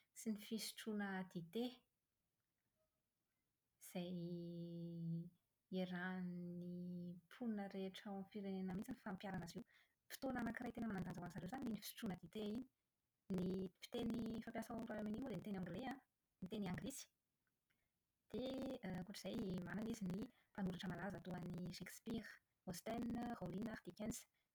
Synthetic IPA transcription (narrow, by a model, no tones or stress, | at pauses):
sinifisi̥ʈ͡ʂunəd̪it̪e | z̥aj | eɾanipʰunəɾeʈ͡ʂawamfiɾenenəmint͡sinifampjaɾanazew | fi̥t̪onanakirajt̪enəmanand̪and͡zakanzaɾewzaniinifi̥si̥ʈ͡ʂunəd̪it̪eini̥ | nifi̥t̪enifampjasauɾaamenimud̪emit̪enãŋɡlea | nit̪eniaŋɡlisi̥ | d̪̥ekuʈ͡ʂz̥ajmananizini | panuɾaʈ͡ʂəmalazat̪uaniʃekspiɾ | ost̪ɛnholinad̪ikɛns